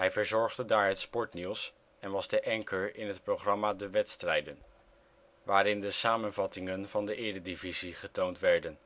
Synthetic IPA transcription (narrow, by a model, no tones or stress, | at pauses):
ɦɛjvəɹzɔɹχdədaːɹɦətspɔɹtnilˠs | ɛnʋɑzdəʔɛŋkʰəɹɪnɦət̚prowχrɑmaːdəʋɛtstrɛjdən | ʋaːɾɪndəsaːmənvɑtɪŋənvɑndəʔɪːɹdədiviziχətowntʋɛɹdən